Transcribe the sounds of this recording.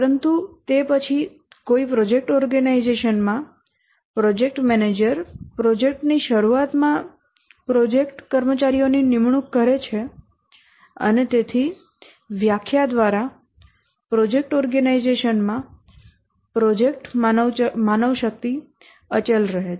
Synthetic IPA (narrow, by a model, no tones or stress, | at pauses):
əɾənt̪ut̪epət͡ʃʰi | koipɾɔd͡ʒek̚ʈɔɾɡənaizeʃənmã | pɾɔd͡ʒek̚ʈmɛned͡ʒəɾpɾɔd͡ʒek̚ʈniʃəɾuat̪mã | pɾɔd͡ʒekʈkəɾmət͡ʃaɾijoninɪmɳukːəɾet͡ʃʰe | ə̰net̪et̪ʰi | ʋjakʰjad̪ʋaɾa | pɾɔd͡ʒek̚ʈɔɾɡanaizeʃənmã | pɾɔd͡ʒek̚ʈ | manəʋʃək̚t̪i | ət͡ʃəlɾəɦe